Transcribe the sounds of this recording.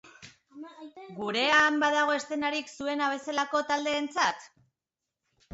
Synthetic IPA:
ɡuɾe̞ambaðaɣ̞o̞e̞st̪e̞naɾiksue̞naβ̞e̞se̞lako̞t̪ald̪e̞ːnt͡sat̪

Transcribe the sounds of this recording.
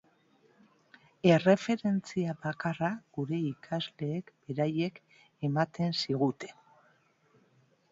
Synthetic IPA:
e̞re̞fe̞ɾe̞nt͡siaβakaraɡ̥uɾe̞ikʰazle̞ːkb̥e̞ɾaje̞k | e̞mat̪e̞nsiɣut̪e̞̥

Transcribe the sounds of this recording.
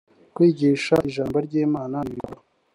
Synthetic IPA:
kwiːɟiːʃaʔiʒaːmbo̞ɾɟeːmaːnaniɡouɾo

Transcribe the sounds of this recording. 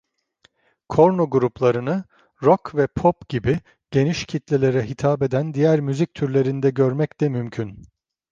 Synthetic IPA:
kʰo̞ɾnuɡuɾuplˠaɾɯnɯ | ɾokʰvɛpʰopɟibi | ɟ̥e̞niʃcʰit̪lʲelʲe̞ɾɛɦit̪ʰaːbed̪ænd̪ijæɾmyzic̚t̪ʰyɾlʲe̞ɾind̪ɛɟøɾmɛclɛmymcʰyn

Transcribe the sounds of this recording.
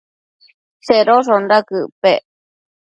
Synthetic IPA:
seɾosondakɯpe

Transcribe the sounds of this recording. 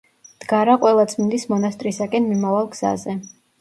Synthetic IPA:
d̪̥ɡaɾaqʼwɛlˠat̪sʰʼmind̪ismɔnast̪ʼɾisakʼɛnmimavalˠɡz̥a̰zɛ

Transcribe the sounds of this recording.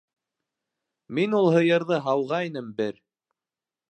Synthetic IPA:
minulˠɦɤ̆jɤ̆ɾðɤɦɑwʁɑinɘmbɘɾ

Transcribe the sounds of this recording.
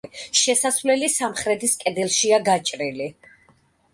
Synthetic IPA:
ʃɛsasvlɛlisamχɾɛd̪iskʼɛd̪ɛlˠʃiaɡat͡ʃʼɾili

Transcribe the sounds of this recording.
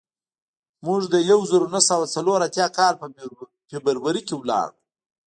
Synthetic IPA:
muʐd̪əjawzəɾonasawat͡saloɾat̪jɑkɑɾp | febəɾwaɾikewlɑ̰ɾu

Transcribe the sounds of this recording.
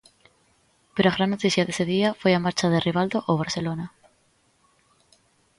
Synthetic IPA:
peɾoaɣ̞ɾanːot̪iθjaðe̞seð̞iafwe̞jamaɾt͡ʃaðeriβ̞ald̪oʔoβ̞aɾθe̞lona

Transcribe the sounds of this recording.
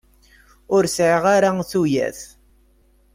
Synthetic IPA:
ʊɾsʕəʁaɾaθujæ̰θ

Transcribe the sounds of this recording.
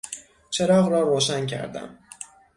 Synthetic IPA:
t͡ʃʰe̞ɾɒːɣɾɒːɾoːʃæncʰæ̰ɾd̪æ̰m

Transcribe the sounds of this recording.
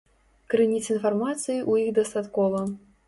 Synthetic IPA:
kɾɨnʲit͡s̪ʲinfarmat̪sɨjiʔujiɣd̪ɐst̪at̪kɔvɐ

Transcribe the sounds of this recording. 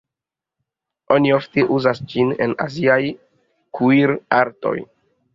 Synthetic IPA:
o̞niofteʔuzasd͡ʒine̞̰na̰ziaj | kuiɾaɾto̞̰j

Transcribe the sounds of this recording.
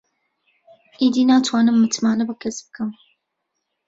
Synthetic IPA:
ʔiːd̪iːnaːt̪ʰwaːnɨmːɨt̪maːnɐbɨkʰɐsbɨkʰɨm

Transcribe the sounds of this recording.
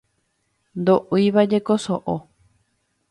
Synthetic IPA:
nd̪oʔuiβad͡ʒe̞kosoʔo

